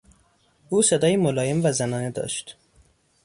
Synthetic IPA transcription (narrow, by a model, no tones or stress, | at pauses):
ʔuːse̞d̪ɒːjimolɒːjemvæzænɒːne̞d̪ɒ̰ʃt̪